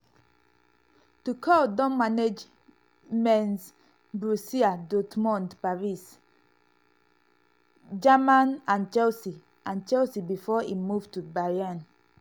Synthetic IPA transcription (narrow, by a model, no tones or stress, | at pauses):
tukʰɔldɔ̃nmaned͡ʒ | mɛ̃ns | bɹusiadɔtmɔ̃ndpaɹis | d͡ʒamãnãnt͡ʃɛlsi | ʔãnt͡ʃɛlsibifɔimuvtubajãn